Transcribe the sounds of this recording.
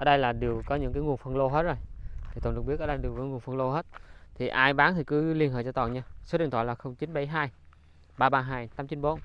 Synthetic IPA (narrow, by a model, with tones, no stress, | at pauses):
ʔəː˨˩ɗə˧jlaː˨˩ɗi˨˩əwkɔ˨˦ɲɨ̰˧˥ŋk̬aː˨˦ŋu˨˩ənfə˧nlo˧ɦe˦˥t̚zo˨˩jt̪ʰi˨˩t̪o˨˩nɗɨ˨˩ɓi˦˥ʔɔː˧˨˩ɗɗi˨˩wkɔ˨˦ŋ˨˩ənfə˧nlo˧ɦə˦˥t̚t̪ʰi˨˩ʔaː˧jɓaː˨˦nt̪ʰi˨˩kɨ˨˦li˧ənhə̰˧˨jt͡ɕɔ˧t̪ɔ̰˧˩nɲaː˧so˨˦ɗi˨˩ət̪ʰwaː˧˨laː˨˩xə˧wŋ͡mt͡ɕi˨˦nɓə˧˩jɦaː˧j | ɓaː˧ɓaː˧ɦaː˧˩jt̪aː˨˦mt͡ɕi˨˦nɓo˨˦n